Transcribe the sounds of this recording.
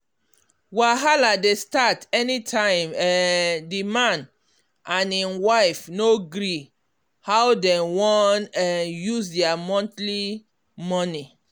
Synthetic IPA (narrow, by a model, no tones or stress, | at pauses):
waɦaladestatɛnitʰãɪ̃mɛdimãn | ãnĩnwaɪfnoɡɾi | hawdɛwɔnãnjuzdɛamɔ̃ntli | mɔni